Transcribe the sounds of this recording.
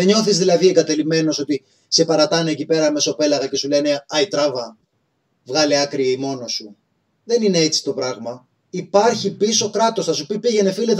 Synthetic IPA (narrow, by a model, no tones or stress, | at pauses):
eɲo̞θizðilɐðieɡɐt̪e̞lime̞no̞so̞t̪i | se̞pɐɾɐt̪ɐneːcipe̞ɾɐme̞so̞pe̞lɐɣɐce̞sule̞ne̞ɐit̪ɾɐvɐ | vɣɐleɐkɾieimo̞no̞su | ðe̞nine̞et͡si̥t̪o̞pɾɐɣmɐ | ipɐɾçipiso̞kɾɐt̪o̞sθɐsupipiʝe̞ne̞file